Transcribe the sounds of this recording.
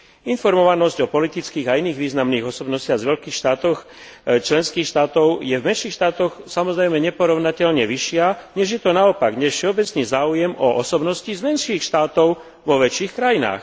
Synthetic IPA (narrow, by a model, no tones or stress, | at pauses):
infɔɾmɔʋanɔzɟɔpɔlit̪it͡skiːɣainiːɣʋiːznamniːɣɔsɔbnɔscɪaɣzʋɛʎkiːxʃt̪aːt̪ɔx | t͡ʃlɛnskiːxʃt̪aːt̪ɔʊjɛvmɛnʃiːxʃt̪aːt̪ɔxsamɔzɾɛjmɛɲɛpɔɾɔʊnacɛʎɲɛʋiʃɪaɲɛʒjɛt̪ɔnaɔpaɡɲɛfʃɛɔbɛt͡sɲɛzaːujɛmɔʔɔsɔbnɔscizmɛnʃiːxʃt̪aːt̪ɔʊ | ʋɔʋɛt͡ʃiːxkɾajina̰ːx